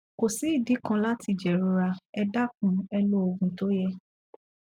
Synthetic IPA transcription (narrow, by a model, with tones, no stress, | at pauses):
ko˨si˨˦i˦˨di˨˦kã˦la˦ti˧d͡ʒɛ˨ɾu˨˧ɾa˧ɛ˧da˦kũ˨˦ɛ˧lo˦o˧ɡũ˧to˦jɛ˦